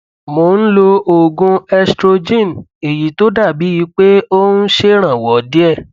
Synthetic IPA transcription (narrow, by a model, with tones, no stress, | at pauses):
mo˨˦ñ̩˦lo˧o˨ɡũ˧ɛ˧stɾo˧d͡ʒĩ˦˨n˨e˨ji˨to˦da˦˨bi˨˦ji˧k͡pe˦o˦nũ˦ʃe˦ɾ̃ã˨wɔ˨˦di˦ɛ˦˨